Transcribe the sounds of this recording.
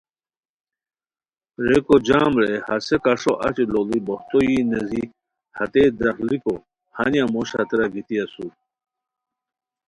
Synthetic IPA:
ɾekod͡ʑaːmɾehɐsekaʂoʔɐ̰t͡ɕeloliboht̪ojinezi | hɐt̪ed̪ɾɐxliko | hɐnjamoɕɐ̰t̪ɾaɡit̪iasu

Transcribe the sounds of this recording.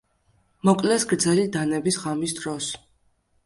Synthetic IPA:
mɔkʼlɛsɡɾd̪zɛlid̪anɛbisʁamisd̪ɾɔs

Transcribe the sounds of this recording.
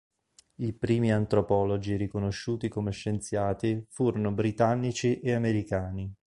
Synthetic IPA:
ipɾiːmiant̪ɾopɔːlod͡ʒiɾikonoʃːuːt̪ikomeʃːent̪sjaːt̪ifuːɾonobɾit̪anːit͡ʃiʔeameɾikaːni

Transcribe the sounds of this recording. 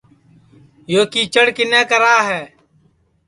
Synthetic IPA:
joːkiːt͡ʃəɽkɪnɛ̃ːkəɾaːɦɛː

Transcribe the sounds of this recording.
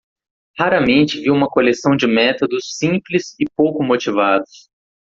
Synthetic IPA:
haɾɐmẽnt͡ʃɪviwũmɐkolesɐ̃w̃d͡ʒɪmɛt̪od̪ʊsːĩplɪzɪpowkʊmot͡ʃivad̪ʊs

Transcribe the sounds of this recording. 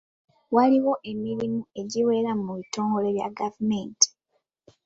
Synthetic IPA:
waliwo̞ʔe̞miɾimue̞ɟiwe̞ɾamuβito̞ːŋɡo̞le̞βja̰ɡavumeːnti̥

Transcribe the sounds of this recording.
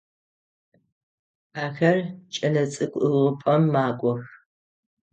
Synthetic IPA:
aːxɐrt͡ʃʼɐnɐt͡sʼɨkʷʼɨʁɨpʼɐmːaːɡʷɔx

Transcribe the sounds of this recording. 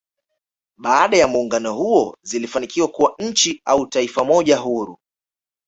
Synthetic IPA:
ɓaaɗajamuːŋɡanɔhuɔzilifanikiwakuwaɲ̩t͡ʃiautaifamɔʄaɦuɾu

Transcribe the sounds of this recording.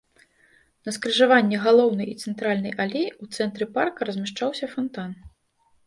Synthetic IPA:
nɐskɾɨʐavanʲːɛɣalˠɔwnɐjit̪sɛnt̪ɾalʲnɐjʔalʲejut̪sɛnt̪ɾɨparkɐɾɐzʲmʲaʂt͡ʂawsʲɐfant̪an

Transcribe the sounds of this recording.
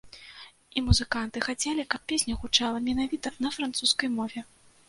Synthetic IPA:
imuzɨkant̪ɨxat͡sʲelʲikɐp̚pʲesʲnʲɐxut͡ʂalˠɐmʲɛnavʲit̪ɐnɐfɾant̪suskɐjmɔvʲɛ

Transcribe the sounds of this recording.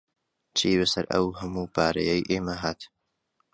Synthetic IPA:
t͡ʃʰiːbɐsɐ̰ɾʔɐ̰wɦɐmuːbaːɾɐ̰jɐjʔeːmɐɦaːt̪

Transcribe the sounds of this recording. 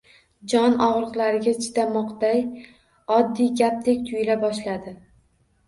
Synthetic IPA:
d͡ʒɒnɒʁɾɨqlˠaɾɪɡʲat͡ʃʰɪ̥d̪amɒqd̪aj | ɒd̪ːijɡʲap̚t̪ʰe̞kʲt̪ʰʊjlabɒʃlad̪ɪ

